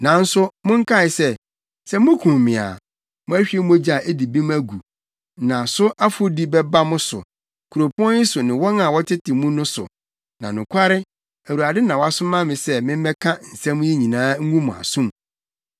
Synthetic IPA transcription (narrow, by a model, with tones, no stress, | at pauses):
nã˨n̩˦sʊ˦mʊ̃˦ŋ̩˦kʰa˦˨ɪ˨sɛ˦ | sɛ˦mʊ̃˦kʰũ˨m˨mɪ̃˨a̰˨ | mʊ̃˦æ˦ɕᶣɥe˦mũ˦æ˦d͡ʑi˦a˨ʔe˦di˨bĩ˦m̃˦æ˦ɡu˨ | nã˨sʊ˦ʔa˦fʊ˦di˦bɛ˦ba˦mʊ̃˦sʊ̰˨ | kʰu˨ɾo˨pʰʊ˦ɔ̃˦nɪ˦sʊ˨nɪ̃˨wɔ˦nã˨wɔ˦tʰɪ˦tʰɪ˨mũ˦nʊ̃˦sʊ̰˨ | nã˨nʊ̃˨kʷʰa˦ɾɪ˦ | æ˨wu˨a˨dɪ˦nã˨wɔ˦a˦sʊ˦mã˦mɪ̃˨sɛ˦mɪ̃˦m̩˦ɛ˦kʰã˦n̩˨sɛ̃˦m̃˦jɛ˦ɲĩ˨nãː˦ŋ̩˦ŋũ˦mʊ̃˨a̰˨sũ˦m